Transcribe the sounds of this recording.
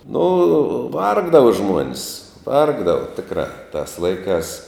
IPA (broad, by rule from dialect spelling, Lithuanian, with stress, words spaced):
nʊ ˈʋɐrɡdɐʋɐ ˈʒmuɔnʲs ˈʋɐrɡdɐʋɐ ˈtʲɪkrɑː tɐs ˈlˠɐɪkɑːs